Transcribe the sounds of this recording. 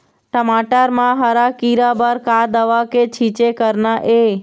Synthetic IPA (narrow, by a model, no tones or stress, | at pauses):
ʈəmaʈəɾmãɦəɾakiɾabəɾkad̪əʋaket͡ʃʰit͡ʃekəɾnaʔe